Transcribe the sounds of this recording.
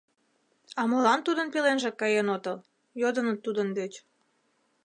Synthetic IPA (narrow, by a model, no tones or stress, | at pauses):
ɑmolɑnt̪ud̪ənpelenʒĕkɑjenot̪ɤl | jod̪ənət̪ːud̪ənd̪et͡ɕ